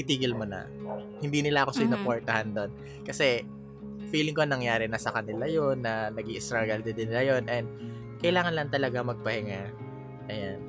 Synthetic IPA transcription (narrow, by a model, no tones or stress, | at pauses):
ɪt̪iːɡɪlmonɐ̰ | hɪnd̪iːnɪlaʔɐko̞sɐɪnopoɹt̪ɐhand̪o̞n | kɐsɛ | fiːlɪŋkonɐŋjaːɾɛnɐsɐkɐnɪlajo̞nːɐnɐɡiʔɪst̪ɾaɡɐld̪ɪd̪ɪnɪlajo̞nʔɛnd̪̚ | kɐjɪlaːŋɐnlɐŋt̪ɐlɐɡamɐɡ̚pɐhɪŋa | ʔɐjan